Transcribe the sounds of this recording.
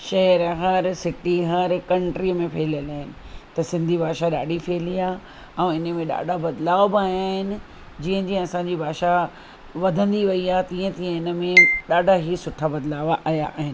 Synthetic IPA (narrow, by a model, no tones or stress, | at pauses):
ʃɛɦɛɾɦɐɾsɪʈiɦɐɾkɐ̃ɳʈɾimẽpʰeːləlaːɦɪnɪ̆t̪ɐsɪ̃nd̪ʱibʱaːʃaɗa̰ːɖʱifʰeːliaː | ɛ̃ɪnə̆mẽɗa̰ːɖʱabɐd̪laːʋbɪaːjaːɦɪnɪ̆ | d͡ʑiːə̃ɲd͡ʑĩɐsãːɲd͡ʑibʱaːʃa | ʋɐd̪ʱə̃nd̪iʋɐiaːt̪ĩːə̃t̪iːə̃ɪnə̆mẽɗaːɖʱaɦisʊʈʰabɐd̪laːʋaʔaːjaʔːɦɪnɪɪ̆